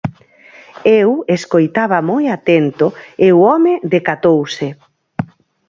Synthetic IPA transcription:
eweskojt̪aβɐmojat̪ent̪ʊewɔmeðekat̪owse

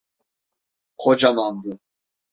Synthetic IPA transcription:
χʰɔd͡ʒamambu

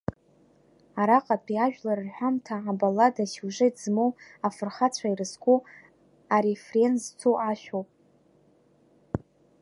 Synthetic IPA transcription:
aɾaqʼapʼiaʒᶣlaɾɨrħʷᶣamtʰaʕabaladasuʒɨjtzmowafɨrχat͡ɕʷʰairɨskʷʼu | aɾefrenzt͡sʰoʔaʃᶣowpʼ

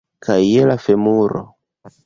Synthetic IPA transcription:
kʰajːelafemuɾo̰

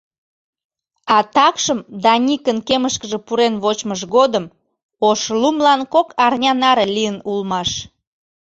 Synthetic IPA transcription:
ɑt̪ɑkʃəmd̪ɑnʲikənkeməʃkəʒepuɾenβot͡ɕməʃɣod̪əm | oʃlumlɑnkokɑrnʲɑnɑɾelijənulmɑʃ

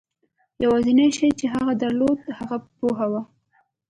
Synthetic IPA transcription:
jawazinaʃajt͡ʃeɦaɣad̪aɾlod̪haɣapoɦawa

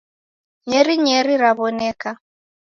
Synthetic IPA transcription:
ɲɛɾiɲɛɾiɾaβɔnɛka

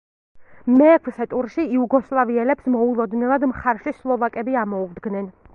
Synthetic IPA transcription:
mɛːkʰsɛt̪ʼuɾʃiːuɡɔslˠaviɛlɛpsmɔulˠɔd̪nɛlˠad̪mχaɾʃislˠɔvakʼɛbiamɔuvd̪ɡnɛn

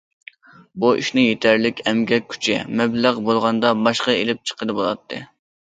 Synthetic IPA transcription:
buʔḭʃnɨŋjet̪ʰæɾlɪkʲʰɛmɡʲɛkʲʰːy̥t͡ʃʰɪ̰mɛblæʁbolˠʁɑnd̪ɑbɑʃqɑelɪp̚t͡ʃʰə̥qʰəd̪ɨbolˠɑ̰t̪ʰːɨ̰

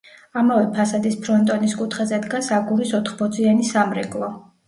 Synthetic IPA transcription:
amavɛpʰasad̪ispʰɾɔnt̪ʼɔniskʼut̪ʰχɛzɛd̪ɡasaɡuɾisɔt̪ʰχbɔd̪zʼianisamɾɛ̰ɡʼlˠɔ

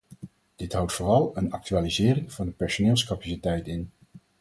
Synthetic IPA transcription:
d̥ɪtɦʌwtfʊːrɑlˠənɑ̰k̚tyaːlizɪːrɪŋv̥ɑndəpɛɹsonɪːlˠskɑpasitɛjtɪn

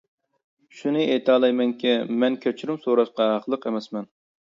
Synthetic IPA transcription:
ʃunɨʔet̪ʰɑːlˠɑjmɛŋkʲʰɛmɛnkʲʰøt͡ʃʰyɾymsoɾɑʃqɑɦɑqʰəlˠəqemɛsmɛn

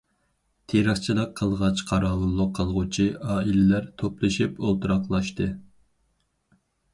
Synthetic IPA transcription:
t̪ʰeɾəχt͡ʃʰilˠəq̚ʰːəlˠʁɑt͡ʃqʰɑɾɑːlulˠːʊqʰːəlˠʁut͡ʃʰiʔɑːilɪlæɾt̪ʰoplˠɨʃipolˠt̪ʰuɾɑqlˠɑʃt̪ɨ

